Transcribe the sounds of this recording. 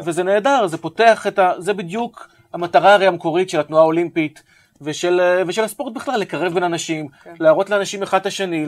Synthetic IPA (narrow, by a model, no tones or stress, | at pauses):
vezene̞ːdaʁzepo̞teaχetazebid̪juk | hamataʁaːʁejameko̞ʁitʃelat̪nuao̞limpit | veʃelveʃelaspo̞ʁt̪̚biχlalːe̞kaʁevbenanaʃimlaːʁo̞tleanaʃimeχad̪laʃe̞ni